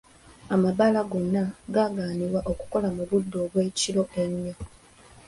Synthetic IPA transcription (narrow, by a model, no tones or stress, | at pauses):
amaβalaɡo̞nːaɡaɡaːniwaʔo̞ku̥ko̞lamuβudːo̞ːβwe̞ːciɾo̞enːo